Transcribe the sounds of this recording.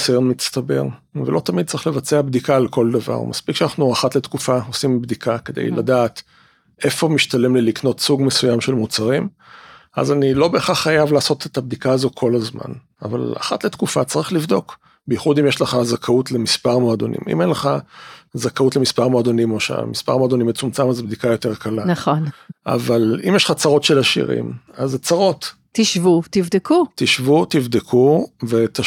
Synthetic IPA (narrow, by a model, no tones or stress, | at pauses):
sajonmist̪abe̞̰ʁ | velʔo̞t̪amid̪̚t͡saʁiχlevat͡seabd̪ikaːlko̞ld̪ava̰ʁmaspikʃeanaχnuaχatle̞t̪kufao̞simbd̪ikʰake̞d̪ḛjladaːt̪ | ʔe̞fo̞miʃt̪ale̞mlelikno̞t̪suɡme̞sujamʃe̞lmut͡saʁim | ʔa̰zanilo̞be̞ːχaχːajavlaːso̞t̪et̪ab̚d̪ikaːzo̞kʰo̞lazma̰n | a̰va̰la̰χatle̞t̪kufat͡saʁiχlivd̪o̞k | bejiχud̪imjeʃleχazakʰautle̞mispaʁmoad̪o̞nʔḭmḭmenleχazakautlemispaʁmoad̪onimoʃa̰mispa̰ʁmoad̪o̞nimet͡sumt͡samazbd̪ikajo̞te̞ʁkʰalanaχonʔa̰valḭmjeʃlχat͡saʁo̞tʃelaʃḭʁḭmazt͡saʁo̞t̪ | t̪iʃvut̪ivd̪ekut̪iʃvut̪ivd̪ekʰuvet̪a